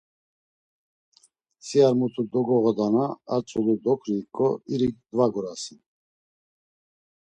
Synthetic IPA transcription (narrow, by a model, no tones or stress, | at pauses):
siaɾmut̪ʰud̪ɔɡɔɣɔd̪anaːt͡sʼulud̪ɔkʰɾiːkʼɔiɾikd̪vaɡɔɾasi